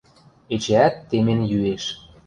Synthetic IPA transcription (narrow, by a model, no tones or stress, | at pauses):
et͡ɕeæt̪ːemenjyeʃ